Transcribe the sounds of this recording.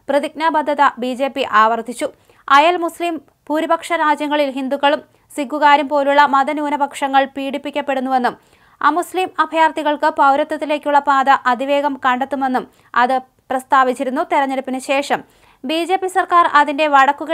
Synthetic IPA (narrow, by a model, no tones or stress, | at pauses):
prɐðiɡ̚naːbɐd̪ʱːɐðɐbiːd͡ʑe̞ːpːiʔaːʋɐrt̪ʰːit͡ɕːu | ɐjɐlmuslim | puɾibɐkʂɐɾaːd͡ʑjɐŋːɐɭilɦind̪ukːɐɭum | siɡuɣaːɾumpo̞ːluɭːɐmɐðɐnuːnɐbɐkʂɐŋːɐɭpiːɽipːikʲːɐpːe̞ɽunːuʋe̞nːum | a̰ːmusliːmɐbʱɐjaːrt̪iɣɐɭkɨpɐwɾɐt̪ːɐt̪ːile̞ːkʲːuɭːɐpaːd̪ɐʔɐd̪iʋe̞ːɡɐmkɐɳɖet̪ːume̞nːum | ɐ̰ðɨ | prɐst̪aːʋit͡ɕːiɾunːut̪iɾɐɲːeɽupːinɨɕe̞ːʂɐm | biːd͡ʑe̞ːpːisɐrkaːrɐðinde̞ʋɐɽɐkːuɣɐ